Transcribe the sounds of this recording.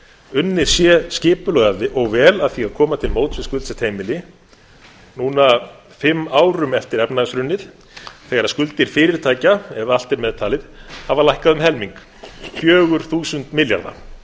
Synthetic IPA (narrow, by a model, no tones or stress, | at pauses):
ʏnːɪɾ̥sjɛscɪːpʏlœɣaðɪʔɔɣvɛːlaðθiɣaɾkʰɔːmat̪ʰɪlmoːwt̪svɪskʏlt̪sɛt̪ʰeːjmɪlɪ | nuːna | fɪmːaːwɾʏmɛft̪ɪɾɛpnaɣsɾʏnːɪð̥ | θɛɣaɾaðskʏlt̪ɪɾ̥fɪːɾɪɾ̥t̪ʰaːjcaɛval̥t̪ɪɾmɛðt̪ʰaːlɪðhavalajhkaðʏmɦɛlmiŋk | fjœːɣʏɾ̥θuːsʏnt̪mɪlja̰ɾða̰